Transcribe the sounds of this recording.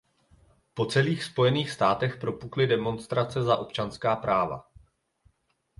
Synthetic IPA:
po̞t͡sɛliːxspo̞jɛniːxst̪aːt̪ɛxpɾo̞puklɪdɛmo̞nst̪ɾat͡sɛzaʔo̞pt͡ʃanskaːpɾaːva̰

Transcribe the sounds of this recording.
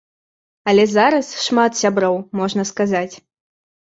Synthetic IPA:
ɐlʲɛzaɾɐsʂmat̪sʲabɾɔwmɔʐnɐskazat͡sʲ

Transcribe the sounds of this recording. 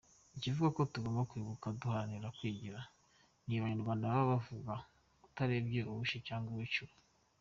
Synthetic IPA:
icivuɡako̞tuɡo̞ːmbakwiːβukaduhaɾaniɾakwiːɟiɾa | niβaɲenuβaːndaβaβavuɡa | kutaɾebɟeʔuβuʃicaːŋɡuwit͡ʃu

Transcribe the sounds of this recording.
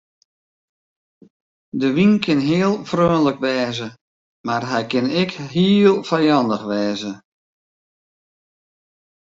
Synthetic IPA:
dəʋinkʰɪnɦɪːəlˠfrøːnləkʋɛːzə | marɦɛjkɪnɪkɦiːlˠfɛjɑndəxʋɛːzə

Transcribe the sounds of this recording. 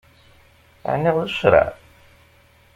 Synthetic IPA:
ə̰ʕnːiʁðəʃɾˤa̰

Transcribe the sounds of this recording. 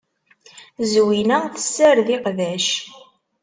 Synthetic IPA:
zwinæθə̥sːæɾðiqðæʃ

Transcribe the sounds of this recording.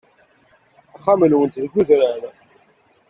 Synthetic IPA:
æχːamənwənt̪ðəɡuðɾaɾ

